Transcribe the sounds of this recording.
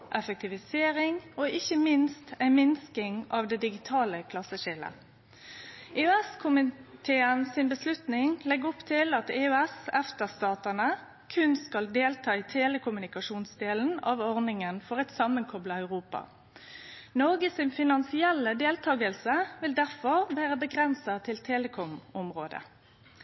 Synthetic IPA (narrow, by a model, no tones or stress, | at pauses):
ʔɛfək̚t̪ɪʋɪseːʁɪŋoːʔɪçəmɪnst̪æɪmɪnskɪŋɑʋd̪ɛd̪ɪɡɪt̪ʰɑːləkʰlɑsəʃɪlə̰ | ʔeʉɛskʰʊmɪt̪ʰeːənsɪnbəslʉt̪nɪŋlɛɡʊpt̪ʰɪlɑt̪eːʉɛsɛft̪əʁst̪ɑːt̪ənə | kʰʉnskɑld̪eːlt̪ʰɑːiːt̪ʰeːləkʊmʉnɪkɑʃuːnsd̪eːln̩ɑʋɔʁnɪŋənfɔʁɛɪt̪sɑmənkʰɔblɑæʉʁuːpɑ̰ | nɔʁɡəsɪnfɪnɑnsɪɛlːəd̪eːlt̪ʰɑːɡəlsəʋɪld̪æʁfɔʁʋæːʁəbəɡʁɛnsɑt̪ʰɪlt̪ʰeːləkʰɔmɔmʁoːd̪ə̰